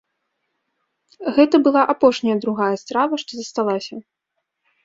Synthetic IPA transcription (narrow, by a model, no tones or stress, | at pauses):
ɣɛt̪ɐbɨlˠaʔapɔʂnʲɐjɐd̪ɾuɣajɐst̪ɾavɐʂt̪ɔzɐst̪alˠasʲɐ